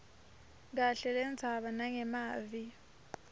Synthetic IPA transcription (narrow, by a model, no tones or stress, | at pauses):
k̬aɬɛlɛnt͡sʰaɓanaŋɛmaːvi